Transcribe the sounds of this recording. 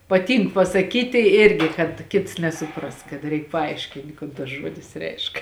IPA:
pɐˈtʲiːŋk pɐsɐˈkʲiːtʲɪ ˈɪrʲɡʲɪ kɐt ˈkʲɪts nʲɛsʊˈprɐs kɐt ˈrʲɛɪk pɐˈɐɪʃʲkʲɪnʲtʲ ˈkoːn tɐs ˈʒuɔdʲɪs ˈrʲɛɪʃk

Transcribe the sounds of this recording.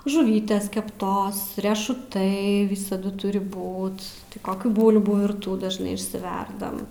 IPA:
ʒʊˈʋʲiːtʲeːs kʲɛpˈtoːs rʲiɛʃʊˈtɐɪ ˈʋʲɪsɐdʊ ˈtʊrʲɪ ˈbuːt koːˈkʲuː ˈbuːlˠbuː ʋʲɪrˈtuː dɐʒˈnɐɪ ɪʃʲsʲɪˈʋʲɛrdɐm

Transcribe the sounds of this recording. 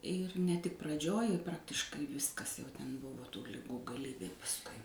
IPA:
ɪr nʲɛ tʲɪk prɐˈd͡ʒʲoːj ɪ ˈprɑːktʲɪʃkɐɪ ˈʋʲɪskɐs jɛʊ ˈtʲɛn ˈbʊʋoː tuː lʲɪˈɡuː ɡɐˈlʲiːbʲeː pɐsˈkʊɪ

